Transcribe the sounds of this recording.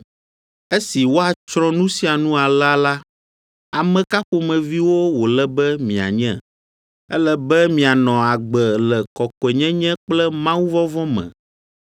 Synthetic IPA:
e˦si˨wo˦a˨t͡ʃɾɔ̃˦nũ˦si˦a˨nũ˦a˨la˦la˦ | a˨mɛ̃˨ka˦xo˨mɛ̃˨vi˦wo˦wo˨lɛ˦bɛ˦mĩ˨a̰˨ɲɛ̰̃˦ | ɛ˦lɛ˦bɛ˦mĩ˨a˨nɔ̃˨a˨ɡ͡bɛ˨lɛ˨kɔ˨kɔ˨ɛ˨ɲɛ̃˦ɲɛ̃˦k͡plɛ˦mã˦wu˦vɔ˦vɔ˦mɛ̰̃˨

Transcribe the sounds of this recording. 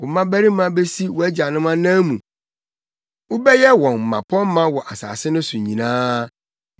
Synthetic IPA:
ʊ˨mã˦bæ˦ɾi˦mã˦be˦si˦wɔ˨æ˦d͡ʑa˨nʊ̃˦mã˦nã˦mũ˨ | ʊ˦bɛ˦jɛ˦wɔ̃˨n̩˨mã̰˨pʰɔ̃˦m˦mã˦wɔ˨ʔa˨sa̰ː˨sɪ˦nʊ̃˦sʊ˨ɲĩ˨nãː˦

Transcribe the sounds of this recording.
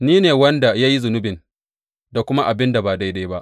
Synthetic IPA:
niː˦neː˨wɐ˦nda˨ja˦ji˦zʊ˨nʊ˦bɪ˨n | da˨kʷʊ˦ma˦ʔa˨bɪ˦nda˨baː˨da˦jda˦jba˦ʔ

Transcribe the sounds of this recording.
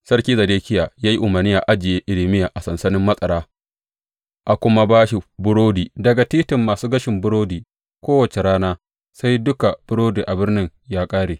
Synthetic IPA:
sɐ˦rkʲiː˦zɐ˨deː˦kʲɪ˦jaː˨jaː˦ji˦ʔʊ˨mɐ˨rnɪ˦jaː˨ʔa˦d͡ʒɪ˨jeː˦ʔɪ˨lɪ˨mɪ˦jaː˨ʔa˨sɐ˨nsɐ˦nɪ˦mːɐ˦sʼɐ˨ɽaː˦ | ʔa˨kʷʊ˦ma˦baː˦ʃi˨bʊ˦ɽoː˦diː˨dɐ˨ɡa˨tiː˦tɪ˨mːaː˨suː˦ɡɐ˦ʃɪ˨mbʊ˦ɽoː˦diː˨ | kʷoː˦wɐ˨t͡ʃe˨ɾaː˦naː˦ | sa˦jdʊ˦ka˨b̥ʊ˦ɽoː˦diː˨ʔa˨bɪ˦rnɪ˦ŋjaː˦kʼaː˦ɽeː˨

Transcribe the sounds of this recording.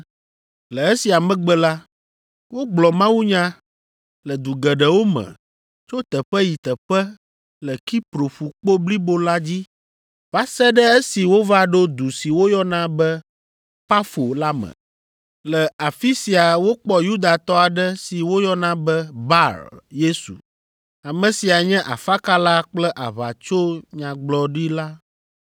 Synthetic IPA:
lɛ˨ɛ˦si˨a˨mɛ̃˦ɡ͡bɛ˦la˦ | wo˦ɡ͡blɔ˨mã˦wu˦ɲã˦ | lə˨d̪u˨ɡɛ˨ɖɛ˨wo˦mɛ̰̃˨ | t͡ʃo˦t̪ɛ˨ɸɛ˦ji˨t̪ə˨ɸɛ˦ | lɛ˨ki˦pɾo˨ɸu˨k͡po˦bli˦bo˦la˦d͡ʑi˦ | va˦sɛ˦ɖɛ˦e˦si˨wo˦va˦ɖo˦d̪u˨si˨wo˦jɔ˦nã˦bɛ˦ | pa˦fo˨la˦mɛ̰̃˨ | lɛ˨a˨fi˦si˨a˨wo˦k͡pɔ˦ju˦d̪a˨t̪ɔ˦a˨ɖɛ˦si˨wo˦jɔ˦nã˦bɛ˦ba˦ɾje˦sṵ˨ | a˨mɛ̃˨si˨a˨ɲɛ̃˦ʔa̰˨fa˦ka˦la˦k͡plɛ˦ʔa˨βa̰˨t͡ʃo˦ɲã˨ɡ͡blɔ˦ɖi˦la˦

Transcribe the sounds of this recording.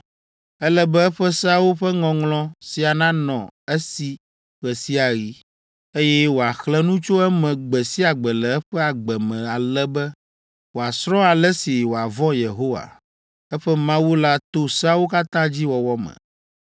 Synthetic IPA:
ɛ˦lɛ˦bɛ˦ɛ˦ɸɛ˦sa˦wo˦ɸɛ˦ŋɔ̃˨ŋlɔ̃˦si˨a˨nã˦nɔ̃˨ɛ˦si˦ | ɸɛ˨si˦a˨ɣi˦ | e˦jɛ˦wo˨a˨xlɛ̃˦nũ˦t͡ʃo˦ɛ˦mɛ̃˨ɡ͡bɛ˨si˦a˨ɡ͡bɛ˨lɛ˨ɛ˦ɸɛ˦a˨ɡ͡bɛ˨mɛ̃˨a˨lɛ˦bɛ˦ | wo˨a˨sɾɔ̃˦a˨lɛ˦si˨wo˨a˨vɔ̃˦je˨ɦo˦wa̰˨ | ɛ˦ɸɛ˦mã˦wu˦la˦t̪o˦sa˦wo˦ka˦t̪ã˦d͡ʑi˦wɔ˨wɔ˦mɛ̰̃˨

